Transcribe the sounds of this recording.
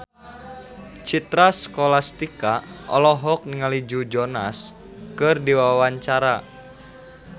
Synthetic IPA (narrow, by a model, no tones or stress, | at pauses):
t͡ʃit̪ɾaskɔlast̪ikaʔɔlɔɦɔk̚niŋalid͡ʒud͡ʒɔnas | kɨrdiwawawaɲt͡ʃaɾa